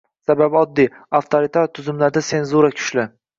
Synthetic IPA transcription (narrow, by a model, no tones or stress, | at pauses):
sababɒd̪ːiaft̪ʰoɾit̪ʰaɾt̪ʰʊzɪmlaɾd̪ase̞nzuɾakʲʰʊ̥ʃlɪ